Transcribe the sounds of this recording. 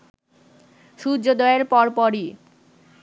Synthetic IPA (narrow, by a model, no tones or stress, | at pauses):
ʃud͡ʑod̪ɔeeɾpɔɾpɔɾi